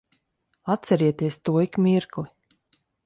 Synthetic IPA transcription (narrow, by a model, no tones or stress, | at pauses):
at̪sɛɾiɛt̪iɛst̪uɔikmʲiɾklˠi